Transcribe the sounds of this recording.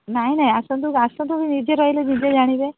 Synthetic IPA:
naɦinaɦĩasɔ̃nt̪ukasɔ̃nt̪̬ubinid͡ʒeɾɔɦiled͡ʒid͡ʒed͡ʒaɽ̃ibe

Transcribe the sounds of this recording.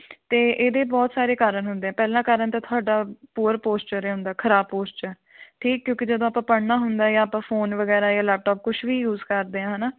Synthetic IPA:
t̪eːʔeːd̪eːbɔːt̪saːɾeːkaːɾəɳɦʊnd̪eːɛ̃ːpɛːlãːkaːɾənt̪ãːt̪ʰʊaːɖaːpuːɾpoːst͡ʃəɾeːɦʊ̃nd̪aːkʰəɾaːb̚poːst͡ʃə | ʈʰiːkːjõːkɪd͡ʒəd̪õːaːpãːpəɽnaːɦʊnd̪aːɛjãːpãːfʰoːnʋəɡɛːɾaːjãːlɛːp̚ʈɔːp̚kʊʃʰʋiːjuːzkəɾd̪eːãːɦənaː

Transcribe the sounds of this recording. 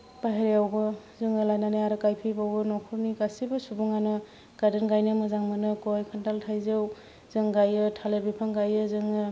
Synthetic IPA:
paɦeɾeawɡɯ | zɯŋɯlajnaneaɾɯkajpʰibawɡɯnɔkʰɯɾnikasibɯsubuŋanɯ | ɡ̥adɯnɡajnɯmɯzaŋmɯnɯkɔjkʰɯntaltʰajzɯw | zɯŋɡajɯtʰalebepʰaŋɡajɯzɯŋɯ

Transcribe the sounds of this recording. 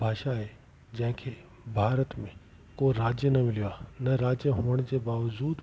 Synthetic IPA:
bʱaːʃaɦe | d͡ʑɐ̃ɦɪ̃kʰe | bʱaːɾət̪mẽ | koɾaːd͡ʒjənɐmɪlijaːnɐɾaːd͡ʑjəɦoːəɽ̃d͡ʑebaːʋəd͡ʑuːd̪

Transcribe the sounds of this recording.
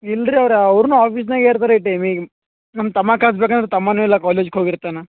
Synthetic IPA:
ilːɾiɐʋɾɐʋɾnuːaːpiːs̬naːɡeːɾt̪aːɾeiʈɐjmĩɡ | nɐmɐt̪ɐmːaːkʰaːs̬bekand̪ɾet̪ɐmːɐnuːilːɐkaːleːd͡ʒkɦoːɡiɾt̪ːana

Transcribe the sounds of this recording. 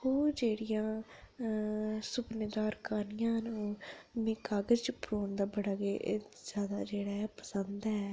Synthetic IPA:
oːd͡ʒeːɽɪjãː | sʊpneːd̪aːɾkaːnɪjãːɦənoːmẽːkaːɡəzt͡ʃpɾoːnd̪aːbəɽaːɡeːz̥jaːd̪a̰ːd͡ʒeːɽaːɛpəsənd̪ɛː

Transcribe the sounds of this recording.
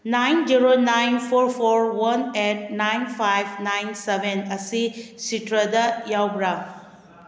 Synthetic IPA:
najnd͡ʒiɾonajnpʰoɾpʰoɾwanet̚najnpʰajbʰnajnsebʱenɐsisitɾɐd̪ɐjawbɾa

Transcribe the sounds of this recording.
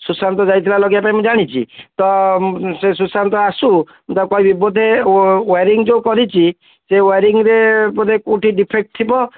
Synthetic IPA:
susant̪ɔd͡ʒajt̪ʰilalɔɡjapaĩmũd͡ʒaɽ̃it͡ʃʰḭt̪ɔses̬usant̪ɔasu | mt̪akɔibibud̪ʱeweɾiŋd͡ʒeukɔɾit͡ʃʰi | seweɾiŋɾepɔnekuʈiɖipʰek̚ʈ̚t̪ʰibɔ

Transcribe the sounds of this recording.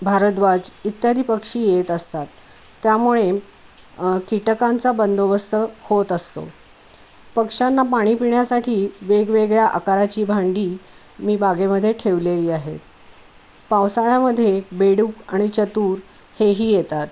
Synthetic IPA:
bʱaɾət̪bad͡zit̪jad̪ʱipəkʂiːjet̪əst̪at̪ː | jamuɭe | kiʈəkãnt͡sabənd̪ʱoʋəst̪ʰəhot̪əst̪o̰ | pəkʂanːapaɽ̃iːpiɳjasaʈʰiːʋeɡʋeɡɭjaʔəkaɾat͡ɕiːbʱaɳɖiː | miːbaɡeməd̪ʱːjeʈʰeʋleliːaɦḛt̪̚ | paʋsaɭjaməd̪ʱːjebeɽuːka̰ɽ̃it͡ɕət̪uːɾ | heɦiːjet̪at̪

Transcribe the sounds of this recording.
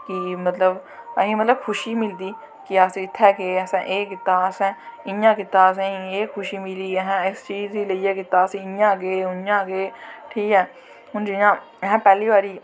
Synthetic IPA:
kimət̪ləbəɦĩːmət̪ləbkʰʊʃiːmɪld̪iː | kɪaːsɪt̪ʰːɛːkeːəsɛ̃ːʔeːkɪt̪ːaːəsɛ̃ːɪjãːkɪt̪ːaːs̬ɛ̃ːĩeːxʰʊʃiːmɪliːɦɛ̃ɪst͡ʃiːziːləiːɛːkɪt̪ːaːsĩɪjãːɡeːʊjãːɡeːʈʰiːkɛː | ʊnd͡ʒɪãː | ɦɛ̃ːpɛːliːʋaːɾiː

